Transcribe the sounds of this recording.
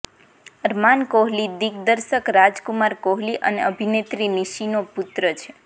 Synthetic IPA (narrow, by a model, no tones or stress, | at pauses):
əɾmankoɦlid̪ik̚d̪əɾʃəkɾad͡ʒkumaɾkoɦliʔəneəbʱinet̪ɾiniʃinoput̪ɾət͡ʃʰe̥